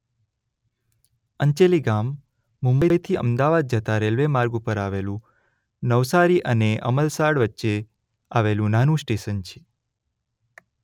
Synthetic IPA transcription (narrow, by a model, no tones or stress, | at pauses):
əɲt͡ʃeliɡamː | ʊ̃mbəjjt̪ʰiə̰md̪aʋad̪̚d͡ʒət̪aɾelʋemaɾɡupəɾaʋelũ | nəʋsaɾiʔəneʔə̰məlsaɽʋətːʃe | aʋelũnanũsʈeʃənt͡ʃʰe̥